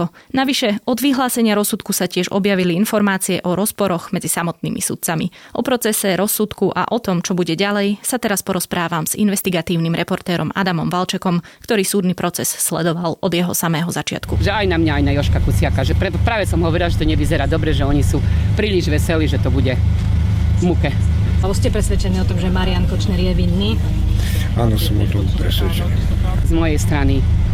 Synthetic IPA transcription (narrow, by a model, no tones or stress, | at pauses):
naʋiʃɛɔd̪ʋiɦlaːsɛɲɪaɾɔsut̪kusacɪɛʒɔ̰bjaʋiliinfɔɾmaːt͡siɛʔɔɾɔspɔɾɔɣmɛd͡zisamɔt̪̚nḭːmʔḭsṵt̪̚t͡samiʔɔpɾɔt͡sɛsɛɾɔsːut̪kuʔa̰ʔɔt̪ɔmt͡ʃɔbuɟɛɟalɛjsat̪ɛɾaspɔɾɔspɾaːʋamz̥ḭnʋɛst̪iɡat̪iːʊnimɾɛpɔɾt̪ɛːɾɔma̰d̪amɔmʋalt͡ʃɛkɔmkt̪ɔɾiːsuːd̪nipɾɔt͡sɛsːlɛd̪ɔʋalʔɔd̪jɛɦɔsamɛːɦɔzat͡ʃɪa̰t̪kuʒɛajnamɲaajnajɔʃkakut͡sɪakaʒɛpɾɛt̪pɾaːʋɛsɔmɦɔʋɔɾilaʒɛt̪ɔɲɛʋizɛɾaːd̪ɔbɾɛʒɛɔɲisupɾiːʎiʒʋɛsɛliːʒɛt̪ɔbuɟɛ | vmukɛ | aɔscɛpɾɛsʋɛt͡ʃɛniːɔt̪ɔmʒɛmaɾɪaŋkɔt͡ʃnɛɾjɛʋinːiː | a̰nɔsɔmɔ̰t̪ɔmpɾɛsʋɛt͡ʃɛni | zmɔjɛjst̪ɾani